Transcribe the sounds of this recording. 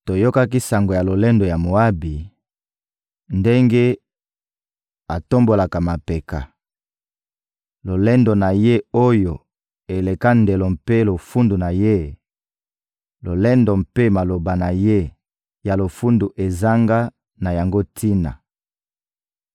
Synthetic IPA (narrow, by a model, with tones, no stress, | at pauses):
to˨jo˦ka˦ki˦sa˨ŋɡo˨ja˨lo˨lɛ˦ndo˨ja˨mo˨a˦bi˨ | nde˦ŋɡe˦ | a˨to˦mbo˨la˨ka˨ma˨pe˨ka˨ | lo˨lɛ˦ndo˨na˨je˦o˦jo˨ | e˨le˨ka˦nde˨lo˨mpe˦lo˨fu˦ndu˨na˨je˦ | lo˨lɛ˦ndo˨mpe˦ma˨lo˨ba˨na˨je˦ | ja˨lo˨fu˦ndu˨ʔe˨za˦ŋɡa˦ | na˨ja˨ŋɡo˦tʰi˦na̰˨